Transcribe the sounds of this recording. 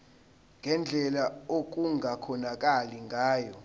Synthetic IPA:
ŋɡʱɛnd͡ɮʱɛlaok̬ʼuŋʱakʰɔnak̬ʼaliŋɡʱaːjɔ

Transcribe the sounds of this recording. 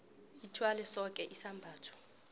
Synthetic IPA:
itʰwalɛsɔkʼɛʔisambʱaːtʰɔ̥

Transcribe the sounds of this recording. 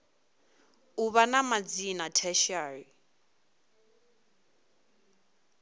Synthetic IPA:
uβanamad͡zinatʰɛʃari

